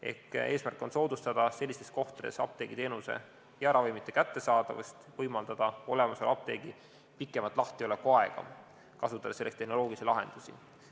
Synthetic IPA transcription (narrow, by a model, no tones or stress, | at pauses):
e̞̰hke̞ːsmærkːˑo̞nso̞ːd̪ust̪ɑd̪̥ɑse̞lʲːist̪e̞sko̞ht̪d̪esɑ̰p̚t̪eɡ̥it̪e̞ːnuse̞̰ | jɑæɾɑvimit̪ːˑe̞kæt̪ːe̞sɑːd̪̥ɑvɑ̰st̪vɤjmɑld̪̥ɑd̪̥ɑo̞̰le̞mɑselɑp̚t̪e̞̰ːɡ̥i | pikːˑe̞mɑt̪ːˑlɑht̪io̞le̞kːuɑeɡ̥ɑ̰ | kɑsut̪ːˑɑd̪ɑselːest̪eno̞lo̞ːɡ̥isilɑɦe̞̰nd̪̥usḭ